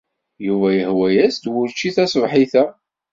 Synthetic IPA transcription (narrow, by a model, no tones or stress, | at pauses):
juvæjəhwæjæsd̪wʊɾt͡ʃːiθæsvħiθæ